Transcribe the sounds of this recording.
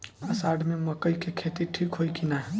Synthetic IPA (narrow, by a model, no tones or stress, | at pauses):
əsaɖmeməkəjkekʰet̪iʈʰikɦojkinaɦ